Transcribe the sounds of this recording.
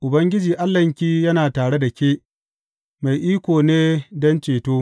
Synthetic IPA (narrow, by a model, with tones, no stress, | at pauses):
ʔʊ˨bɐ˦ŋɡʲɪ˦d͡ʒiː˨ʔa˦lːɐ˨ŋkʲiː˦jɐ˦naː˨taː˨ɽe˦da˨kʲeː˦ʔ | ma˨jʔiː˦kʷoː˨neː˦dɔ˦nt͡ʃeː˨toː˦